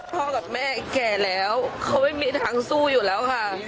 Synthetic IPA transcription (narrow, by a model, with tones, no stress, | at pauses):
t̪ʰɔ˧ɣa˨˩p̚mɛ̰˧˩˨kɛ˨˩lɛ˨˦wxə˧wŋ͡mʔi˧˦˥mi˧˥ənha˨˦ŋsu˧zu˧˨˩lɛ˨˦wxaː˧˩